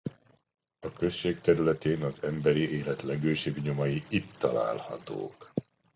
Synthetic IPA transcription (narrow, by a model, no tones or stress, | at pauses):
ɒkø̞ʃʃeːkt̪ɛɾylɛt̪eːnɒzɛmbɛɾiʔeːlɛt̪lɛɡøːʃebɲo̞mɒjiit̪ːɒla̰ːlhɒ̰t̪o̰ːk